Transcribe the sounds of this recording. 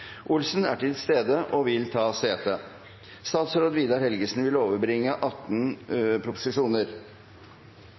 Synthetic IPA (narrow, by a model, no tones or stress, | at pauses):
ʔʊlsn̩æ̰ʈɪlst̪eːd̪əʔɔʋɪlt̪ʰɑːseːt̪ʰə | st̪ɑːt̪sɾoːd̪ʋiːd̪ɑɾhɛlɡəsn̩ʋɪloːʋəɾbɾɪŋːəʔɑt̪ːnpʰɾʊpʊ̥sɪʂuːnəɾ